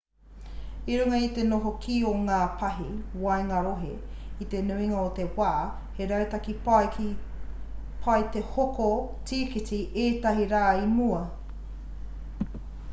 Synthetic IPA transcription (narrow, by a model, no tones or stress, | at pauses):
iɾuŋɐit̪enoɦokʰioŋaːpʰɐɦiwɐjŋɐɾoɦḛ | it̪enuiŋɐot̪ewaʔɐ | heɾɐwt̪ɐki | pʰɐjt̪ehokotiːkit̪iʔeːt̪ɐɦiɾaːimuɐ